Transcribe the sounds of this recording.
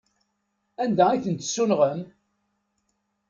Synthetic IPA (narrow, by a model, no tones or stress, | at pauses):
ænd̪æiθənt̪sːunʁəm